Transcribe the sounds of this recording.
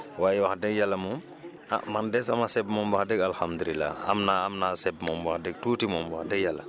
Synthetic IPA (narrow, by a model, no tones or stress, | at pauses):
wajiwaxdɛɡjalːamum | a̰mandɛsamasɛbmɔmbahdɛɡalhamd̪ulilːa̰a̰mnaamnasɛbmɔmbahdɛɡ̚tuːtimɔmbahdɛɡjalːa